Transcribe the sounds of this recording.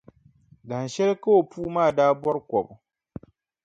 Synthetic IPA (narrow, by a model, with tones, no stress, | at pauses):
da˨n˨ʃɛ˦lka˦o˨puː˦maː˦˨daː˦bɔ˦ɾkɔ˨bʊ˨